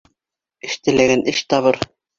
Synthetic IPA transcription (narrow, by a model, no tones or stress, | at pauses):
ɘ̆ʃt̪ɘ̆læɡænɘʃt̪ɑβɤɾ